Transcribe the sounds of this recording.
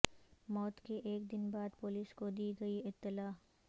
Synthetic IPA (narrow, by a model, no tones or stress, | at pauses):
mɔːt̪keʔeːkd̪ɪnbaːd̪pʊliːskod̪iːɡɐiɪt̪ːɪlaː